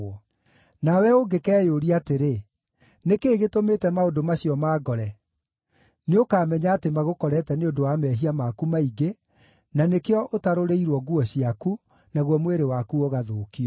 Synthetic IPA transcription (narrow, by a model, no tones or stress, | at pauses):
nawɛoɡekɛːjoɾiateɾe | nekeːɣetometɛmaodomaɕiɔmaːɡɔɾɛ | neokaːmɛɲaːtemaɣokɔɾɛtɛneondowamɛɦiamakumaiɡe | nanekeɔʔotaɾoɾeiɾwɔɡuɔɕiaku | naɣwɔmweɾewakuoɣaðoːkiɔ